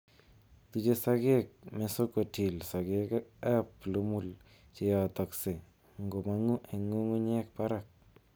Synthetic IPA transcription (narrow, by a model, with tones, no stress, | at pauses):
t̪u˦t͡ʃe˦saɡe˦k̚mɛ˨so˦ko˨ti˨lsa˨ɡekɛ˦plu˦mu˦l | t͡ʃɪ˨jɔ˨t̪ɔ˨kse˨ | ŋɡo˨ma˦ŋu˦ʔe˨ŋu˦ŋu˦ɲe˦kpa˦ɾa˨k̚